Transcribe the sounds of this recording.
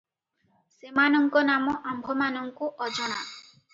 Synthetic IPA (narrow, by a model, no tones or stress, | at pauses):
semanɔŋkɔnamɔʔambʱɔmanɔŋkuʔɔd͡ʒɔɽ̃a